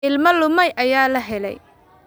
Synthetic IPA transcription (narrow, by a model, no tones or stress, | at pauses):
ɪlmɐlʊmɐjʔɐjaːlɐɦɛlɛ̰j